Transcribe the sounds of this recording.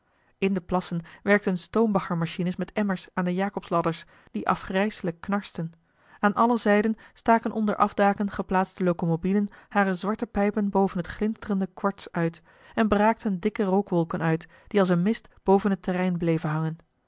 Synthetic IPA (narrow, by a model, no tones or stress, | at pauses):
ɪndəplɑsənʋɛɹk̚tənstowmbɑχəɹmɑʃinəsmɛtɛməɹsaːndəjaːkɔpslɑdəɹs | d̥iʔɑ̰fχrɛjsələkːnɑɹstən | aːnʔɑləzɛjdənstaːkənʔɔndə̰ɹʔɑ̰vdaːkənχəplaːtstəlowkomobilənhaːrəzʋɑɹtəpɛjpənbowvənɦətχlɪnstərəndəkʋɑɹtsœɥt | ɛnbəraːk̚tʰəndɪkərowkʋɔlˠkənœɥt | d̥iɑlˠsənmɪstb̥owvənɦətərɛjnblejvənɦɑŋən